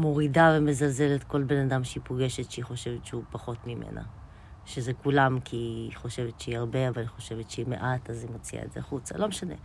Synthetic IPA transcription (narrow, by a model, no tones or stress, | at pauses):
mo̞ʁidaveme̞zalze̞let̪ko̞lbe̞nadamʃeipoɡe̞ʃet̪ʃeiχo̞ʃevet̪ʃeupaχo̞tmimḛnʔa̰ | ʃezekulamkʰiiχo̞ʃe̞vet̪ʃeiaʁbe̞avaliχo̞ʃe̞vet̪ʃeimḛʔatazimot͡sia̰etzeaχut͡sa̰lo̞meʃane̞̰